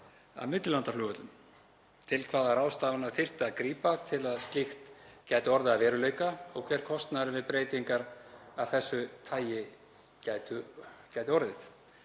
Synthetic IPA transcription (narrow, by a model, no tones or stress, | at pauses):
a̰ðmɪt̪lʏlant̪aflʏːɣʏt̪lʏm | t̪ʰɪlkʰvaːðaɾaːwst̪aːvanaɾθɪr̥t̪ɪaðkɾiːpat̪ʰɪlaðst̪lixt̪caːjt̪ɪɔɾðɪaðvɛːɾʏleːjkaɔɣkʰvɛɾ̥kʰɔst̪naɾvɪðpɾeːjt̪iŋkaɾavθɛsːʏt̪ʰaːjɪ | caːjt̪ʏcaːjt̪ɪɔɾðɪθ